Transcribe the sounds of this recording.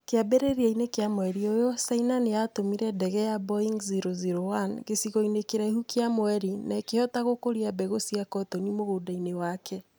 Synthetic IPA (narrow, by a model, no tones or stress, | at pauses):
keabeɾeɾiainekejamwɛɾiojosainanejatomiɾɛdɛɣɛjabɔiŋɡziɾoziɾoanɣesiɣɔinekeɾaihukeamoɛɾinaekehɔtaɣokoɾiabɛɣosiakɔtɔnimoɣoːdainewakʰɛ